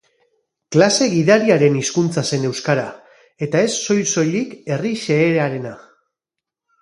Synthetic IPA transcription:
klase̞ɣiðaɾiaɾe̞niskunt͡sase̞ne̞wskaɾa | e̞t̪ae̞sːo̞jso̞jlike̞riʃe̞ːɾaɾe̞na

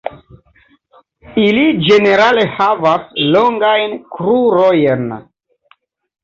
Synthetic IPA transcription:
ilid͡ʒe̞ne̞ɾale̞havasloŋɡajnkɾuɾojen

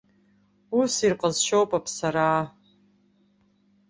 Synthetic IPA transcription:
usirqʼəzʃowpʼapʰsaɾaː

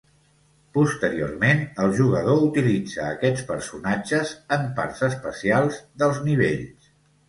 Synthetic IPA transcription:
pust̪əɾio̰rmenəlˠʒuɣəð̞out̪ilid͡zəːkɛt͡spəɾsunad͡ʒəzəmpa̰ɾzəspəsialˠzðəlˠzniβeʎs

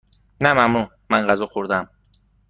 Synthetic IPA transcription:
næmæmnu | mænɢæzɒxoɾd̪æm

